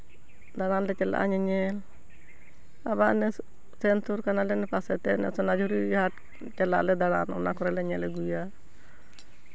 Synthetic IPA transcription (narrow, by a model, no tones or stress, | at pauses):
d̪aɾanlɛt͡ʃɛla̰ʔaɲɛɲɛl | abaʔnɛ | sɛntɔɾkanalɛnɛpasɛt̪ɛnɛ̰sɔnad͡ʒuɾihaʈ | t͡ʃɛlaʔlɛd̪aɽanɔnakɔɾɛlɛɲɛlɛɡuja